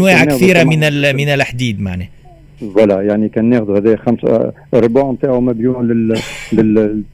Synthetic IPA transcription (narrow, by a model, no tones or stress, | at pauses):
wɛːʕkθiːɾamɪnlmɪnɪlħd̪iːd̪ma̰ʕnɛː | wælːæjaʕnikænːæːxd̪uhæðæːjxams | ɾˤːbuːʕmt̪aːʕʊmæbjulɪlɪl